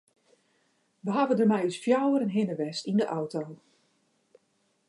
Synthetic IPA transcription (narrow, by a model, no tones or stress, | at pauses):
ʋəɦavəndərmɛjysfjawəɾənɦɪnəʋɛstindəʔɔwtoː